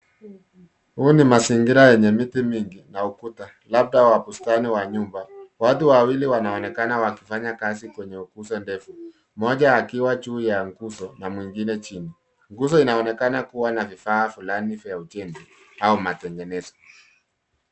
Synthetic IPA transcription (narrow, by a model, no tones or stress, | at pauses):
huːnimasiŋɡiɾajɛɲɛmitimiŋɡinaukuta | lab̚ɗawapustaniwaɲumbawatuwawiliwanaɔnɛkanawakifaɲakazikwɛɲɛukuzɔndɛfu | mɔʄaːkiwat͡ʃuːjaŋɡuzɔnamwiŋɡinɛt͡ʃini | ŋɡuzɔinaɔnɛkanakuwanavifaːfulanifɛjaut͡ʃɛnzi | aumatɛŋɡɛnɛzɔ̥